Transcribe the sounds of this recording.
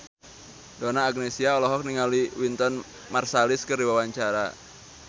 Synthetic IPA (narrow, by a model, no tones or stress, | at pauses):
donaːɡ̚nesiaɔlɔɦɔk̚niŋaliwint̪ɔn | marsalɪskɨrdiwawaɲt͡ʃaɾa̰